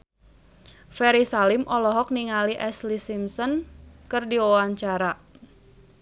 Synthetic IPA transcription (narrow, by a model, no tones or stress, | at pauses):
fɛɾisalɪmʔɔlɔɦɔk̚niŋaliʔɛslisimsɔnkɨrdiwɔwaɲt͡ʃaɾa